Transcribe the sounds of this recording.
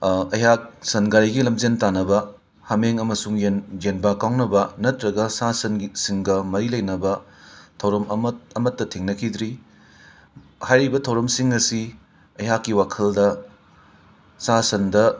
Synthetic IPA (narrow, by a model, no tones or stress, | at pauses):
ɐjɦak̚sɐnɡaɾiɡilɐmd͡ʒentanɐbɐ | hɐmeŋɐmɐsuŋenjenbakawnɐbɐnɐtɾɐɡɐsasɐnsiŋɡɐmɐɾilɐjnɐbɐtʰɐwɾɐmɐmɐtːɐtʰiŋnɐkʰid̪ɾi | hajɾibɐtʰɐwɾɐmsiŋɐsi | ɐjɦakːiwakʰɐldɐ | sasɐndɐ